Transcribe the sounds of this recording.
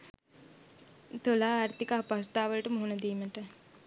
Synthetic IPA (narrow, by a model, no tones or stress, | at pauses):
t̪olaːɾt̪ikaɦpas̬t̪aːʋəlʈəmuɦunəd̪iːməʈə